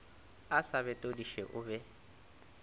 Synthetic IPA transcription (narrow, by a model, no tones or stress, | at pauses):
asaβɛtʼodiʃɛʔʊbɛ